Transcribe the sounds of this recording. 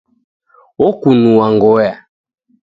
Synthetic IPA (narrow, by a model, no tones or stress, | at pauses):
ɔkunuwaŋɡɔja